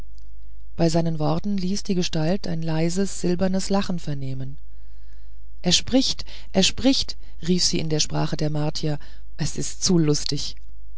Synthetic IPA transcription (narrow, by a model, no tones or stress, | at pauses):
b̥aɪzaɪnənvɔɐtn̩liːsd̥iːɡəʃtalta̰ɪnlaɪzəsz̥ɪlbɐnəslaχn̩fɛɐneːmən | ʔeːɐʃpʁ̥ɪçt | ʔeːɐʃpʁ̥ɪçt | ʁiːfz̥iːɪndeːɐʃpʁ̥a̰ːχədeːɐmaɐtʰiɐ | ʔɛsɪstt͡sulʊstɪç